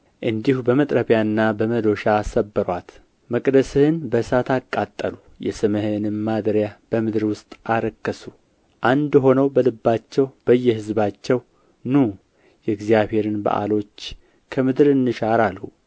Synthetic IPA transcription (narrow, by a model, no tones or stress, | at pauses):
ʔɨnd̪ihubəmət̪ʼɾəβjaɨnːabəməd̪o̞ʃaːsəbːəɾwat̪ | məkʼd̪əsɨhɨnbəsat̪ʰakʼːat̪ʼːəlu | jɛsɨməhɨnɨmmad̪ɾjab̥əmɨd̪ɨɾwʊst̪ʼaɾəkːəsu | ʔand̪ɦo̞nəwbəlɨbːat͡ʃːɛwb̥əjːɛhɨzbat͡ʃːɛw | nu | jɛɡzijaβhe̞ɾɨnba̰ʔa̰lo̞t͡ʃː | kʰəmɨd̪ɨɾɨnːɨʃaɾalhu